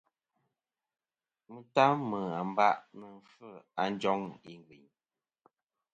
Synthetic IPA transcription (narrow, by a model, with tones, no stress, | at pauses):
mə˦ta˦mə˨a˨m˦ba˦ʔnə˨fə˦˨a˨n˦d͡ʒɔ˦ŋḭ˨ŋ˨ɡwi˨ɲ